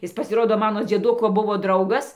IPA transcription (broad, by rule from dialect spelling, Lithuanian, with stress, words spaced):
ˈɪs pɐsʲɪˈroːdoː ˈmɑːnoː d͡zʲiɛˈdʊkoː ˈbʊʋoː ˈdrɐʊɡɐs